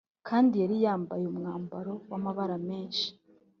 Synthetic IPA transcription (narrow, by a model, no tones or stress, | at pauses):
kʰaːndijaɾijaːmbajumŋaːmbaɾo̞wamaβaɾame̞ːnʃi̥